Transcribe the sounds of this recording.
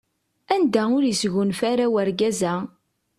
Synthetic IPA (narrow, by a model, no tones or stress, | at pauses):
ænd̪æʊɾjisʝunfaɾawæɾɡæzæ